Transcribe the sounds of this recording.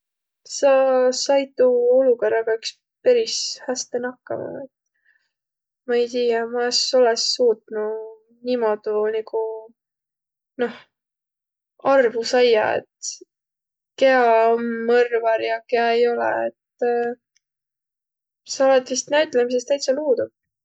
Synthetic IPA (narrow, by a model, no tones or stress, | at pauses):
sɑsɑjt̪uoluko̞rɑɡ̥ɑyks | peɾishæst̪enɑkːɑ̰mɑ̰et̪ | mɑe̞jt̪iːjɑmɑeso̞lesːuːt̪nu | nimo̞d̪̥uniku | no̞h | ɑrvusɑjɑ̰ḛt̪ | ke̞ɑonmɤrvɑɾjɑke̞ɑejo̞lɛ̰et̪ | sɑolet̪ːist̪næɥt̪ˑlemis̬est̪æjt̪seluːd̪̥ub̥̚